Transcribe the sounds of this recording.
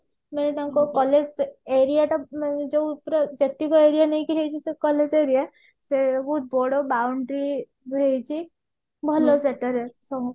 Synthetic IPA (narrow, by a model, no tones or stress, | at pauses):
menet̪aakokɔled͡ʒeɾijaʈɔd͡ʒopɾɔd͡ʒet̪ːikɔeɾijanəĩkiɾejt͡ʃʰisekɔled͡ʒeɾija | sebɔɦut̪̚bɔɽobawɳɖɾi | bʱejt͡ʃʰi | bʱɔloseʈəɾesɔɦũ